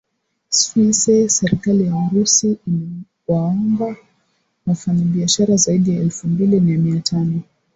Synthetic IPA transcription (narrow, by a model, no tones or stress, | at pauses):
sfisɛsɛɾikalijauɾusii | waɔmba | mafaɲaɓiaʃaɾazaiɗijaɛlfumbilimiamiatʰanɔ